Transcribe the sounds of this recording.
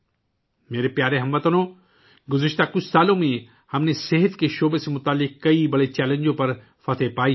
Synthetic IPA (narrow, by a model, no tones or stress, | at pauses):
meːɾepjaːɾeɦɐmʋɐt̪ənõ | ɡʊzɪʃt̪akʊt͡ʃʰsaːlõmẽ | hɐmneseɦət̪keʃoːbesemʊt̪aːlːɪkkɐibɐɽet͡ʃɛːlẽɲd͡ʒõpɐɾ | fɐt̪ʰepaːi